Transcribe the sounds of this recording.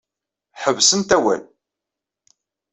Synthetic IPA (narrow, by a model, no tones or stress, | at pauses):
ħəvsənt̪æwæ̰l